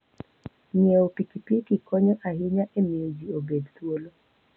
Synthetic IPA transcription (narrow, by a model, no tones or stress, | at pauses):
ɲieopikipikikɔɲɔʔaɦɪɲaʔemiod͡ʒiobed̪t̪wolo